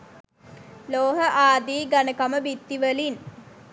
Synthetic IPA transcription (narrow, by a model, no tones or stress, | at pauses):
loːɦəʔaːd̪iːɡanəkaməbit̪ːiʋəlin